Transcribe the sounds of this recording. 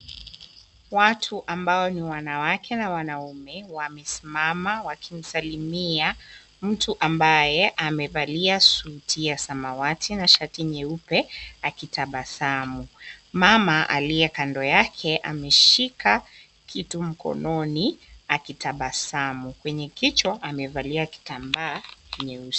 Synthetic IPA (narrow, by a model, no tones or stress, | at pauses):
watʰuʔambaɔniwanawakɛnawanaumɛwamɛsimamawakʰim̩salimia | m̩tuʔambajɛʔamɛvaliasuːtʰiasamawatʰinaʃatiɲɛupɛakitaɓasamumamaʔa̰liɛkandɔjakʰɛʔa̰mɛʃika | kʰitum̩kɔ̰nɔniakitaɓasamukwɛɲɛkit͡ʃwɔʔamɛvaliaki̥tambaːɲɛus